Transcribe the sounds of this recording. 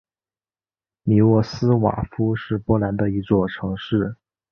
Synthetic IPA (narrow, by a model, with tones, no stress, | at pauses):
mi˨˩wɔ˥˩sɹ̩˥wa̰˨˩fu˥ʂɻ̩˥˧pwɔ˥˩la˧˥nd̪ə˧i˧˥t͡swɔ˥˩ʈ͡ʂʰɤ˧˥ŋʂɻ̩˥˩